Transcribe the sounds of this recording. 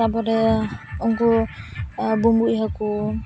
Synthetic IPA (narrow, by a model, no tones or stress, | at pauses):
abɔdɛuŋku | bumbuiɦɔku